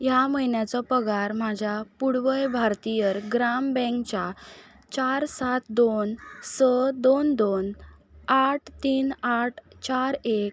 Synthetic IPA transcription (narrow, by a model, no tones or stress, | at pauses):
jaməjnjat͡sɔpəɡaɾmad͡ʑʱjapuɽʋəjbʱaɾt̪ijəɾɡɾambɛ̃ŋkt͡ɕa | t͡ɕaɾsat̪d̪onsəd̪ond̪on | aʈʰt̪iːnaʈʰt͡ɕaɾek̚